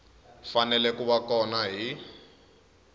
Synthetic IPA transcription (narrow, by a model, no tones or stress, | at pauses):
fanɛlɛkuβakɔnaɦi